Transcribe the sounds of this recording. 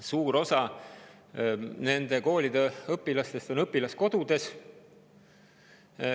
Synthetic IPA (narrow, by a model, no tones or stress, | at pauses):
suːɾo̞sɑ | ne̞nd̪e̞ko̞ːlʲid̪̥e̞ɤpːilɑst̪e̞st̪o̞nɤpːilɑsko̞d̪ud̪̥e̞s